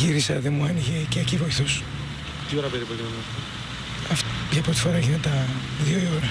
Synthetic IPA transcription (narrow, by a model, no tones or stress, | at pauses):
ʝiɾisɐðemuɐniʝeceecivoiθos | t̪ioɾɐpeɾipoliɐnɐf | ɐfpçɐpɾot̪ifo̞ɾɐʝinet̪ɐðjoioɾɐ